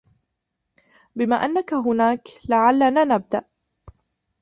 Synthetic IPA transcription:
bɪmaːʔanːakaɦʊnaːklaʕalːaːnaːnab̚d̪aʔ

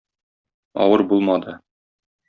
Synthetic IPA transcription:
ɒ̰wɤɾbulˠmɑd̪ɤ

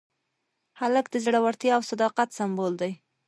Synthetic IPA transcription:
haləkd̪əzɽawaɾt̪jɑːwsad̪ɑqat̪sambold̪aj

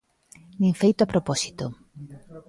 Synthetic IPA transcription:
nĩŋfejt̪oapɾopɔsi̥t̪o

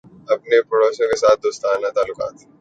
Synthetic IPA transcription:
ɐpnepɐɽoːʃõkesaːt̪̚ʰd̪oːst̪aːnat̪aːlːʊka̰ːt̪

